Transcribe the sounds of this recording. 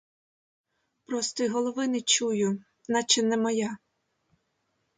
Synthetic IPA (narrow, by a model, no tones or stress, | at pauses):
pɾɔst̪ɔiɦɔlˠɔʋɪnɪt͡ʃujʊ | nɑt͡ʃɛnɛmɔja